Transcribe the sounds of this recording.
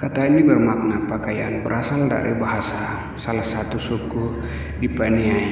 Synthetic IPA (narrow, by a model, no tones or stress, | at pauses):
kat̪aɲabərmak̚napakajanbəɾasalda̰ɾḭbaɦasa | salahsat̪usukuh | dipaniai